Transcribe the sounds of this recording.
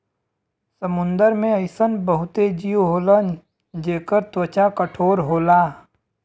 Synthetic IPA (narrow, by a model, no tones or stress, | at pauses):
səmʊ̃nd̪əɾmẽəɪsənbəɦʊt̪ed͡ʒiːwɦoːlən | d͡ʒeːkəɾt̪wət͡ʃakəʈʰoːɾɦoːlaː